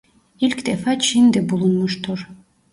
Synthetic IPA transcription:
ilkd̪ɛfat͡ʃʰind̪ɛbulˠunmuʃt̪ʰuɾ

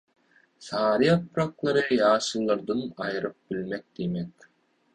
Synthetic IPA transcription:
sɑːɾɯɑpɾɑklˠɑɾɯjɑːʃɯlˠːɑɾd̪ɯnɑjɯɾɯp̚b̥ilʲmek̚d̪imek

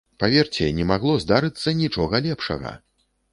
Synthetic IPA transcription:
pavʲɛrt͡sʲɛnʲɛmaɣlˠɔzd̪aɾɨt̪sːɐnʲit͡ʂɔɣɐlʲɛpʂɐ̰ɣɐ̰

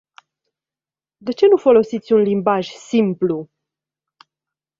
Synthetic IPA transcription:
d̪e̞t͡ʃe̞nufo̞lo̞sit̪sʲunlimbaʒsimplu

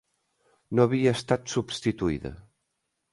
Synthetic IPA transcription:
noəβiəːst̪at̪subst̪it̪uiðə̰

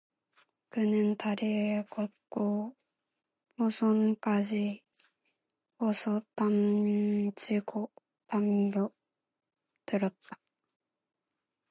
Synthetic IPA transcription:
kɯnɯ̃nt̪ʰaɾekokːo | bosoŋkaʑi | bosot̪am | t͡ɕiko | t̪ambo | t̪ɨɾot̪ːḁ

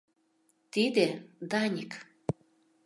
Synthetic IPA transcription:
t̪id̪ed̪ɑnʲik

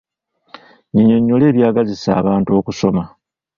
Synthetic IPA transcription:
ɲiɲoɲːole̞ːβjaːɡazisa̰ːβaːnto̞ːkuso̞ma

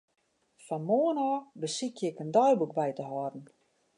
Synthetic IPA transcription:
fɔnmoənɔːbəsikjɪkəndɔjbukbɛjtəɦɔdn̩

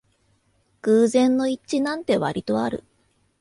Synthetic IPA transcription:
kɯːzẽ̞nːo̞it͡ɕːɕinãnt̪e̞βa̰ɾʲit̪o̞aɾɯ̟̰

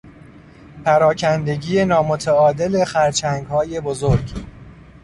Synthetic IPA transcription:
pʰæɾɒːcʰænd̪e̞ɡiːje̞nɒːmot̪ʰæɒːd̪ele̞xæɾt͡ʃʰæŋɡhɒːje̞bo̞zoɾɡ

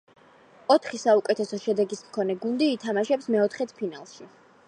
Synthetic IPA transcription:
ɔt̪ʰχisaukʼɛt̪ʰɛsɔʃɛd̪ɛɡismkʰɔnɛɡund̪iːt̪ʰamaʃɛpsmɛɔt̪ʰχɛt̪ʰpʰinalˠʃi

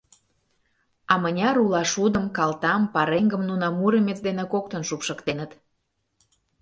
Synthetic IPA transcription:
ɑmənʲɑɾulɑʃud̪əmkɑlt̪ɑmpɑɾeŋɡəmnunɑmuɾəmʲet͡sd̪enekokt̪ənʃupʃəkt̪enət̪

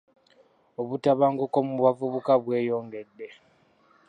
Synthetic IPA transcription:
oβutaβaːŋɡokomuβavuβukaβwe̞ːjo̞ːŋɡe̞dːe̞

